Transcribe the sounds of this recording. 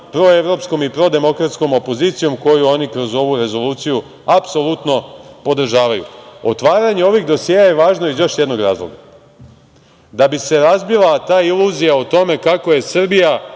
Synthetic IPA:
pɾo̞e̞ʋɾo̞psko̞mipɾo̞d̪e̞mo̞kɾat̪sko̞mo̞po̞ziːt̪sijo̞mko̞juo̞ːnikɾo̞zo̞ʋuɾe̞zo̞luːt̪siju | apso̞lˠut̪no̞po̞d̪r̩ʒaːʋajṵot̪ʋaːɾaɲe̞o̞ʋiɣd̪o̞sjeːjaje̞ʋaːʒnoizjo̞ʃjed̪no̞ɡɾa̰ːzlˠo̞̰ɡa | d̪abise̞ɾazbilˠat̪aːilˠuzijaut̪o̞me̞kako̞je̞srbija

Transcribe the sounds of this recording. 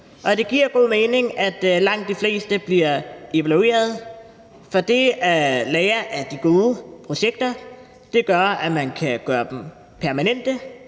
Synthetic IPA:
ʔɒ̽d̥e̝ɡ̥iɐ̰ɡ̥o̝ðˠme̝ːne̝ŋæd̥lɑ̈ŋ̰d̥ːifle̝̰ːsd̥əb̥liɐ̰ʔe̝ʋælue̝̰ːɐð̞̩ˠ | fɒ̽d̥e̝ælɛːɪɐʔæd̥iɡ̥o̝ːðˠəpʰʁo̝ɕeɡ̥̚d̥ɐ | d̥e̝ɡ̥ɶɐæmænkʰæɡ̥ɶːɐd̥em̩ | pʰæɐmænen̰d̥ə

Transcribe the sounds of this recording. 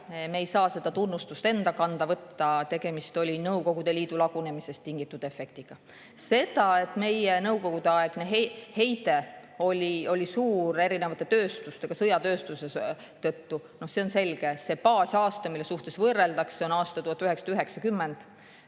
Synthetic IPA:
mejsɑːse̞d̪ɑt̪unːust̪ust̪e̞nd̪ɑkɑnd̪̥ɑvɤt̪ːɑt̪e̞ɡ̥e̞mist̪o̞lʲinɤwko̞ɡ̥ud̪̥e̞liːd̪̥ulɑɡ̥une̞mise̞st̪ːiŋɡit̪ːˑud̪̥efe̞k̚t̪iɡ̥ɑ | se̞d̪̥ɑe̞t̪ˑme̞jenɤwko̞ɡud̪̥e̞ɑe̞ɡ̥neɦehe̞jt̪e | o̞lʲio̞lʲisuːɾe̞ɾinevɑt̪ːˑe̞t̪øːst̪ust̪e̞ɡ̥ɑsɤjɑt̪ø̞ːst̪use | t̪ɤt̪ːunohse̞o̞nse̞lɡ̥e̞se̞pɑːsʲɑːst̪ɑmilːe̞suht̪e̞svɤrːeld̪̥ɑksse̞o̞nɑːst̪ɑt̪uhɑt̪ːˑyɦe̞ksɑ̥d̪yɦe̞ksɑkymːe̞nd̪̥

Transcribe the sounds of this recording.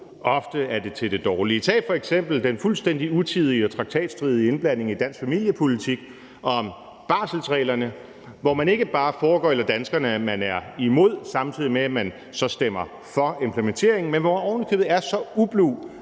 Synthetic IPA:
ʔɒ̽fd̥əæɐd̥e̝t͡sʰe̝ld̥e̝d̥ɒːlit͡sʰɛ̰̥ːfɒ̽eɡ̥sem̰b̥l̩d̥enfulsd̥en̰d̥iut͡sʰið̞ˠiɒ̽t͡sʰʁɑ̈ɡ̥̚t͡sʰɛ̰ːd̥sd̥ʁiːð̞ˠie̝nb̥læn̰e̝ŋid̥æn̰sɡ̥fæmil̰jəpʰo̝lit͡sʰiɡ̥ | ɒ̽m | b̥ɑ̈ːsl̩sʁɛ̰ːlɐnə | ʋɒmæne̝ɡ̥əb̥ɑ̈ːfɒːɡ̥ɒ̰ːelɐd̥ænsɡ̥ɐnəæmænæɐimo̝ð̞̰ˠsɑ̈mt͡sʰið̰ˠimeæmæn | sɒ̽sd̥em̰ɐ | fɒ̽e̝mpʰlement͡sʰe̝̰ɐ̰e̝ŋn̩menʋɒɒːʊnikʰøːbð̩ˠæɐsɒ̽ub̥luː

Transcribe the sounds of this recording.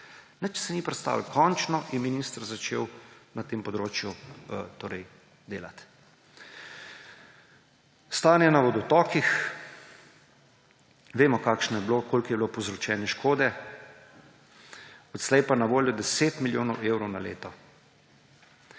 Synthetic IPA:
nət͡ʃsɛnipɾɛt̪st̪a̰ːʋwkʰɔnt͡ʃnɔʔinminiːst̪ɾzat͡ʃḛːwnat̪eːmpɔd̪ɾoːt͡ʃjut̪oːɾɛj | d̪eːlat̪ | st̪aːnjɛnaʋɔd̪ɔt̪ɔːkix | ʋeːmɔkaːkʃnɔjɛblokoːlkjɛblopowzɾɔt͡ʃɛːnjɛʃkʰoːd̪ɛ | ɔt̪slɛjpanaʋoːljɔd̪ɛseːt̪miljoːnɔwewɾɔwnalḛːt̪ɔ

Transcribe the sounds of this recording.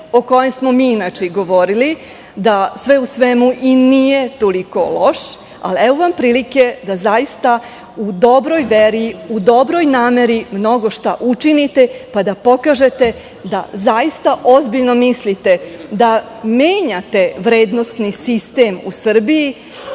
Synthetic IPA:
o̞ko̞jemsmo̞miinat͡ʃeiɡo̞ʋoɾili | d̪asʋeusʋemuʔinije̞t̪oliko̞lo̞ʃ | a̰lieʋoʋampɾiːlike̞d̪azajist̪a | ud̪o̞bɾo̞jʋeɾiud̪o̞bɾo̞jnaːme̞ɾimno̞ɡo̞ʃt̪a̰ʔut͡ʃinit̪e̞pad̪apo̞kaːʒe̞t̪e̞ | d̪a̰zajist̪aʔo̞zbiʎno̞mislit̪e̞d̪a | meːɲat̪e̞ʋɾeːd̪no̞st̪nisist̪eːmṵsr̩biji

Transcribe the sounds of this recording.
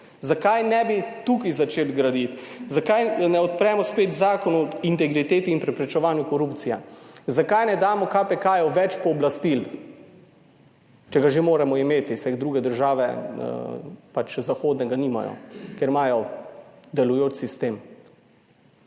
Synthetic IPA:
zakajnɛbit̪ukizat͡ʃeːlɡɾad̪it̪zakajnɛɔt̪̚pɾɛmɔspeːt̪zaːkɔnuint̪ɛɡɾit̪eːt̪iːnpɾɛpɾɛt͡ʃɛʋaːnjukɔɾupt̪sijazakajnɛd̪aːmɔkapɛkaːjɔʋɛt͡ʃpɔːblast̪il | t͡ʃɛɡaʒemoːɾɛmɔimeːt̪isɛd̪ɾuːɡɛd̪əɾʒaːʋɛ̰ | pat͡ʃzaxoːd̪nɛɡaniːma̰jɔ̰keɾmaːjɔ | d̪ɛlujoːt͡ʃsist̪eːm

